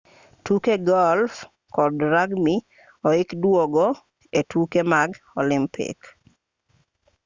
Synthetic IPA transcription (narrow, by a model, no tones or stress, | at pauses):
tukeɡɔlf | kɔdɾaɡmi | ɔɪkdwoɡɔ | etʰukemaɡ | ɔlɪmpḭk